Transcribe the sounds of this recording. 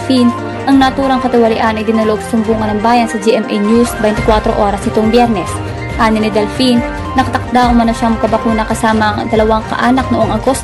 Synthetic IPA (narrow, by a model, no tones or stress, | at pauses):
fin | ʔɐŋnɐt̪uːɾɐŋkɐt̪ɪwɐlɪʔanɐjd̪ɪnulʊob̚sɐsʊmbuːŋɐnɐŋbaːjɐnsɐd͡ʒiʔɛmʔɛjnjusbɛjnɪkwat̪ɾo̞̰ʔo̞ːɾɐsnɪt̪o̞ŋbjɛɾnɛs | ʔaːnɪnːɪd̪ɛlfinː | ɐkɐt̪ɐk̚d̪aʔʊmɐnoʃaŋmɐkːɐbɐkuːnɐkɐsaːmɐŋd̪ɐlɐwaŋkɐ̰ʔaːnɐk̚noʔoŋʔɐɡo̞st̪